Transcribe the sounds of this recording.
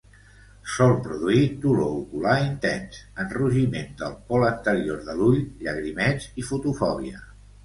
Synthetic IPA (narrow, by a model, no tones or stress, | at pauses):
sɔlˠpɾuðuit̪uloukulaint̪ɛnsənruʒimend̪əlˠpɔlənt̪əɾioɾðəluʎʎəɣɾimɛd͡zifut̪ufɔβ̞iə